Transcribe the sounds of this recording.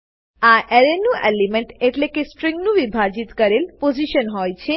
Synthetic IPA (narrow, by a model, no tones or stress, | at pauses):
aʔeɾenũʔelimeɳʈeʈlekesʈɾĩŋɡnũʋibʱad͡ʒit̪kəɾelpod͡ʒiʃənɦɔjt͡ʃʰe